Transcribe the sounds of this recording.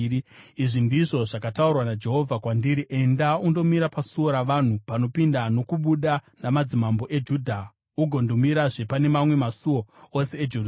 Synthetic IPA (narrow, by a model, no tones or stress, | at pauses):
iʐindiʐo̞ʐakataurwanad͡ʒe̞ɦo̞vʱakwandiɾiʔe̞ndaundo̞miɾapasuo̞ɾaʋan̤upano̞pindano̞kuɓuɗanamad͡zimambo̞ʔe̞d͡ʒudʱa | uɡʱo̞ndomiɾaʐe̞pane̞mamwe̞masuwo̞ose̞ːd͡ʒe